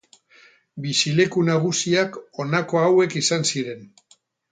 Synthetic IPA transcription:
bisile̞kunaɣ̞usiako̞nako̞awe̞kisansiɾe̞n

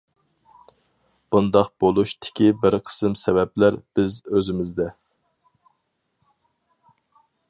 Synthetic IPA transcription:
b̥und̪ɑqb̥olˠuʃt̪ʰɪ̥kʲibɪɾqʰə̥sɨmsɛvɛplæɾb̥ɪzøzɪmɪzd̪ɛ

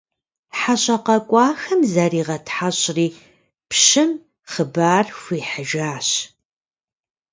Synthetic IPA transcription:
ħaɕʼɐqɐkʷʼɑːxɐmzɐɾiːʁɐtħaɕʼriː | pʃɨm | χəbaːrxʷiːħəʒaːɕ

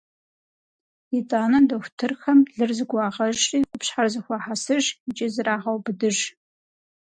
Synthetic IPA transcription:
itʼaːnɐdɐxʷtʰɨrxɐmɮɨrzɨɡʷɑːʁɐʒʒriːqʷʼʊpɕħarzɨxʷɑħasɨʒɪt͡ʃʼɪzɨraːʁɐwbɨdɨʒ

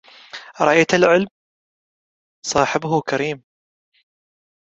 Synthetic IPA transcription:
ɾˤɑjt̪alʕɪlm | sˤɑːħɪbhʊkaɾiːm

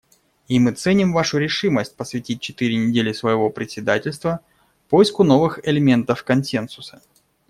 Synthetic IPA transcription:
imɨt̪sɛnʲɪmvaʂʊɾʲɪʂɨməsʲt̚ʲpəsvʲɪtʲit̚ʲt͡ɕɪt̪ɨɾʲɪnʲɪdʲelʲɪsvəjɪvo̞pɾʲɪtʲsʲɪd̪atʲɪlʲst̪və | pojɪskʊno̞vɨxɪlʲɪmʲe̞nt̪əfkɐnsʲe̞nsʊ̥sə̥

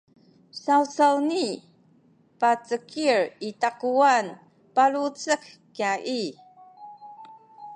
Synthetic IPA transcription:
sawt͡sawni | pat͡səkiɹitaquan | paɭut͡sək | kjaʔi

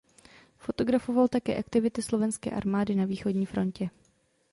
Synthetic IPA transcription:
fo̞t̪o̞ɡɾafo̞valt̪akɛ̰ːʔakt̪ɪvɪt̪ɪslo̞vɛnskɛ̰ːʔa̰ɾmaːdɪnaviːxo̞dɲiːfɾo̞ncɛ

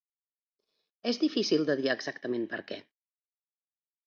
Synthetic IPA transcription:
ezðifisilˠd̪əðiaəɡzakt̪əmempə̰ɾkɛ̰

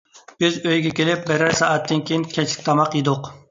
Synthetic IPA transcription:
b̥ɪzøjɡʲɛkʲelɪp̚bɛɾæɾsɑːɛt̪ːɪnkʲejinkʲʰɛt͡ʃʰlɪ̥kʲt̪ʰɑmɑqjid̪ʊq

